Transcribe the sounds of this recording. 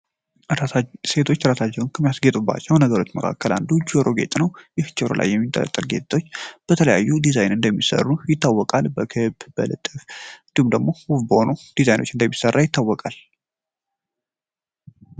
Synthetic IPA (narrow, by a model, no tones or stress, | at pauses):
se̞t̪ʰo̞t͡ʃːɾasat͡ʃːɛwnkʰəmijasɡet̪ʼubːa̰t͡ʃːɛwnəɡəɾo̞t͡ʃːməkʰa̰kːəla̰nd̪ud͡ʒoɾo̞ɡe̞t̪ʼnəwjɪht͡ʃʰɪɾo̰lʔa̰jːɛmːint̪ʼə̰lə̰t̪ʼːəlɡet̪t̪ːot͡ʃːb̥ət̪ʰələjajːud̪izajnɨnd̪əmːisə̰rːujɪt̪ːawːɔkʼalbəkʰɨbbəlɨ̰t̪ʼːɨfɨnd̪ihumd̪əɡmowufbəhonud̪̥izajno̞̰t͡ʃːɨnd̪əmːisərːajɪt̪ʰːawːɔkʼal